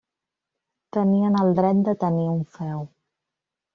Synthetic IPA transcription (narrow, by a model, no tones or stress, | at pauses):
t̪əniənəlˠd̪ɾɛt̪̚d̪ət̪əniuɱfɛw